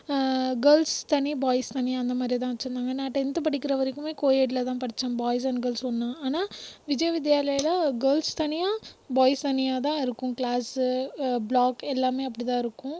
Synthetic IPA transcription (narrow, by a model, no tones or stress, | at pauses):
ɡɐːlst̪ɐnibaːjst̪ɐnɪjaːɐnd̪ɐmaːd̪ɾit̪ãːʋɐt͡ʃːɾɯnd̪aːŋɡɐnaːʈɛnd̪ɯpɐɽɪkːɪɾɐʋɐɾɐkːɯmeːkoːjeːʈɪlɐt̪ãːpɐɽɪt͡ʃːɐ̃mbaːjɪs̬ɐɳɡɐːlsɔnːãaːnaːʋɪd͡ʒɐjɐʋɪd̪jaːlɐjɐlɐɡɐːlst̪ɐnɪjaːbaːjst̪ɐnɪjaːt̪̬ãːɪɾɯkːʊ̃klaːs | bɭaːkɛlːaːmeːɐp̬ːɐɽit̪ãːɪɾɯkːʊ̃